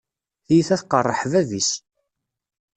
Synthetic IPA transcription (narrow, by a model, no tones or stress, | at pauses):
θjiθæθqərˤːəħvævis